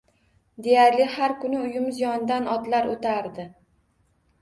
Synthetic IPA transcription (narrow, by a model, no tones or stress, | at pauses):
d̪e̞jaɾlɪhaɾkʊnɪʊjɪmzɪjɒnd̪anɒt̪laɾot̪ʰaɾd̪ɪ